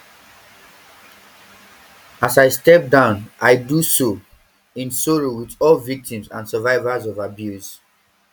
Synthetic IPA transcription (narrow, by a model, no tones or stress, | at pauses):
asaɪstɛp̚dãʊ̃nʔaɪduso | ĩnsɔɹowiθɔlvik̚tĩmzã̰nsəvaɪvazɔvabjus